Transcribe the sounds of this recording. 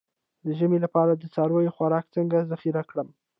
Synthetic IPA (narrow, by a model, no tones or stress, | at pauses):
d̪əʒəmelapɑɾad̪ət͡sɑɾwəjoxwaɾɑkt͡səŋɡazaxiɾakɽəm